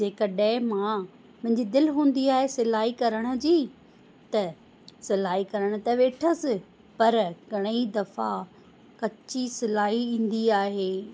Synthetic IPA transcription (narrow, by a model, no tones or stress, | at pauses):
d͡ʑeːkɐɗə̃mã | mɐ̃ɦɪ̃ɲd͡ʑid̪ɪlɦũːn̆d̪iaːɦesɪlaːikɐɾəɽ̃ʊ̆d͡ʑiː | t̪ɐ | sɪlaːikɐɾəɽ̃ʊt̪ɐʋeːʈʰəsɪ | pɐɾɡʱɐɽ̃id̪ɐfa | kɐt͡ɕisɪlaːɦiĩːn̆d̪iaːɦeː